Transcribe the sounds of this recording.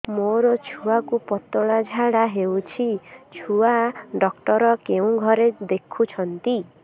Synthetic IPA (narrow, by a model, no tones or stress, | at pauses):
moɾɔt͡ʃʰuakupɔt̪ɔɭad͡ʒʱaɽaɦewt͡ʃʰit͡ʃʰuaɖɔkʈɔɾɔkeũɡʱɔɾed̪ekʰut͡ʃʰɔnt̪i